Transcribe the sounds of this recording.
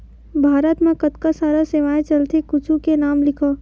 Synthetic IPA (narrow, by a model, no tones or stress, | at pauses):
bʱaːɾət̪mẽkɐt̪kasaːɾaseʋaːet͡ʃɐlt̪ikʊt͡ʃʰukenaːmlɪkʰoː